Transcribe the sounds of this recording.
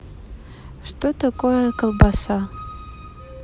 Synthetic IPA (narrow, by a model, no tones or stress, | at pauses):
ʂt̪ot̪akʼojɛkalˠbasa